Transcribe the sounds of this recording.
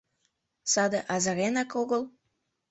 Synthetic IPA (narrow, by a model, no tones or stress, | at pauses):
sɑd̪eʔɑzə̆ɾenɑkoɣəl